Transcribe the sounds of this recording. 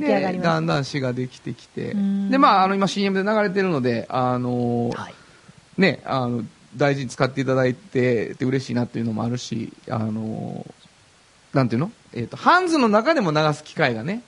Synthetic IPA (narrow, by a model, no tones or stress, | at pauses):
d̪ed̪ãnd̪ãɰ̃ɕiɡad̪e̞kʲi̥t̪e̞kʲi̥t̪e̞̰d̪e̞maːno̞imaɕĩːe̞mɯ̟d̪e̞naɡaɾe̞t̪e̞ɾɯ̟no̞d̪e̞ano̞ | ne̞ano̞ | d̪aiʑiɲ̟it͡sɨ̥kat̪ːe̞it̪ad̪ait̪e̞t̪ːeɯ̟ɾe̞ɕḭːnat̪ːoiɯ̟no̞mo̞̰aɾɯ̟ɕḭa̰no̰ | nãnt̪ejɯ̟no | e̞ːt̪ːo̞hãnd͡zɨnːo̞nakad̪e̞mo̞naɡasɨ̥kʲi̥kaiɡane̞